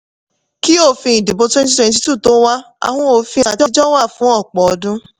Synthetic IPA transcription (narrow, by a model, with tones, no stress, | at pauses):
ki˦o˦˨fĩ˧i˨di˨bo˧twɛ̃˦nti˦twɛ̃˧nt̬i˦tu˦˨to˨˦wa˦ | a̰˨hɔ̃˧˦o˨˧˨fĩ˧a˧tɔ˦˧d͡ʒɔ˦wa˦˨fũ˨˦ɔ˦˨k͡pɔ˨ɔ˧dũ˦